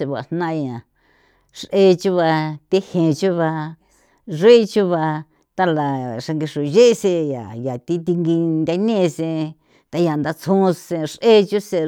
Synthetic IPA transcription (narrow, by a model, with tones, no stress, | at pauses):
e˧βʷa̰˨˧˨nnã˦ʔjã˨ | ʂʔe˧t͡ʃu˦βa˧t̪e˦hẽ˨˧t͡ʃu˦βa˧ | ʐe˦t͡ʃu˦βa˧ | t̪a˧la˨ʂa˧ŋɡi˧ʂu˨ʒe˦ʔse˧ja̰˨ja˨t̪i˦t̪i˧ŋɡi˧nd̪ʲa˧˦nẽ˦˧sẽ˧ | t̪a˧ja˨nd̪a˧t͡sʰũ˦˧sẽ˧ʂʔe˦t͡ʃu˦se˧